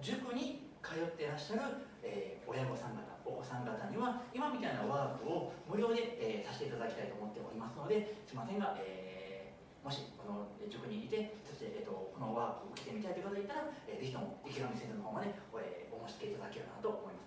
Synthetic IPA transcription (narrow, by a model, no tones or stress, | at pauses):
d͡ʑɨkɯ̟ɲ̟ikʰajo̞t̪ːe̞ɾaɕaɾɯ̟ | eːo̞jaɡo̞sãŋɡat̪a̰okosãŋɡat̪aɲ̟iβaimamʲit̪ainaβaːkɯ̟omɯ̟ɾʲo̞ːd̪e̞eːsaɕi̥t̪e̞it̪ad̪akʲi̥ait̪oːmo̞t̪ːe̞ʔo̰ɾʲimasɨno̞d̪e̞sɨimasẽ̞ŋɡaʔeː | mo̞ɕiko̞nod͡ʑɨkɯ̟ɲ̟iɾʲit̪e̞soɕt̪e̞ʔeːt̪ːokono̞βaːpɯ̟ːɯ̟kʲi̥t̪e̞mʲit̪ait̪oiɯkot̪oeit̪ːaɾaeːze̞çit̪o̞mo̰ikʲiɾomisezonoɦo̞ːmad̪e̞ḛːomoɕi̥t͡sɨ̥ke̞it̪ad̪akeo̰kːna̰t̪oomo̞imasɨ̥